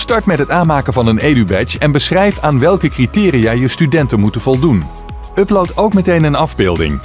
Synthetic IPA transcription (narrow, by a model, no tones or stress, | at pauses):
stɑɹtmɛtɦətaːnmaːkəvɑnənejdybɛt͡ʃɛnbəsrɛjfaːnʋɛlˠkəkritɪːrijaːjəstydɛntənmutənvɔlˠdun | ɵplowtowkmətejnənɑvbɪːlˠdɪ̰ŋ